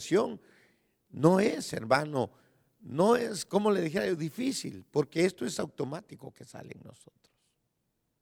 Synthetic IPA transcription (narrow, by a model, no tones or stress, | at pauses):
sjo̞n | noesḛɾmano | noesko̞mo̞leðixe̞ɾajoðifisḭlpo̞ɾke̞est̪o̞e̞sawt̪o̞mat̪iko̞ke̞̥sa̰lḛŋno̞̰sot̪ɾos